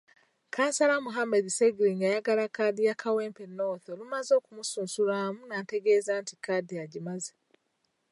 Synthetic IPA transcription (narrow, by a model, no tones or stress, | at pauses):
kaːnsalamuɦamediseɡiliŋɡajaɡalakaːdijakawe̞ːmpeno̞ːθolumazo̞ːkumusuːnsulaːmunaːte̞ɡe̞zaːntikadiaɟimaze